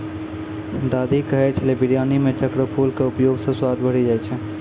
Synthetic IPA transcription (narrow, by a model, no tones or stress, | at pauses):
d̪aːd̪ikəɦɛt͡ʃʰlebiɾijaːnimẽt͡ʃəkɾəpʰulkeʊpjoːɡsẽswaːd̪bəɽid͡ʒaːjt͡ʃʰɛ